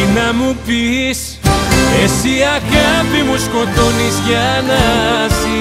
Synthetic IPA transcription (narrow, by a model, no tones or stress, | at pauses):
inɐ̃mupis | esiakɐvimuskõt̪onisjanasi